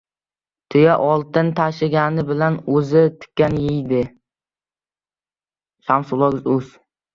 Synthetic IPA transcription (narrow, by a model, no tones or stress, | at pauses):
t̪ʰʊjaʔɒlˠt̪ɪnt̪ʰaʃɪɡʲanɪbɪlanɵzɪt̪ʰɪ̥kʲːanjɪjd̪ɪ | samsʊlˠɒɡɪzɵz̥